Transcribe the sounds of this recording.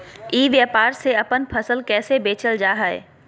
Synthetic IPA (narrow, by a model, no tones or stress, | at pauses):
iːʋjəpaːɾseɐpənpʰɐsəlkɛːsebeːt͡ʃəld͡ʒaːɦaḛː